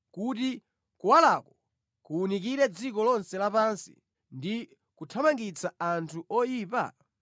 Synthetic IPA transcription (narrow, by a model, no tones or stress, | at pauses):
kuti | kuwalakɔ | kuunikiɾɛd͡zikɔlɔnsɛlapansi̥̰ | ndi | kutʰamaŋɡit͡saantʰuɔjiːpa̰